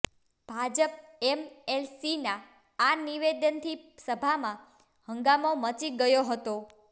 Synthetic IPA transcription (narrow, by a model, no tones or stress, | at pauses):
b̥ʱad͡ʒəp̚emelsinaː | niʋed̪ənt̪ʰisəbʱamã | həŋɡamomət͡ʃiɡəjoɦət̪o